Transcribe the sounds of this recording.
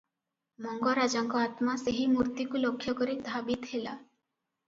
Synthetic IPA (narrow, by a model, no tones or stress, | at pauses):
mɔŋɡɔɾad͡ʒaŋkɔat̪maseɦimuɾt̪ikulokʰːjɔkɔɾid̪ʱabit̪ɦela